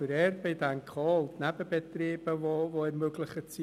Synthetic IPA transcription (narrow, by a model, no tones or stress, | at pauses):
əɾɛrbəjdankʰɔlˠtʰnabəbɛtreːbəvɔvɔɛrmøɡlˠɪχət͡sʰi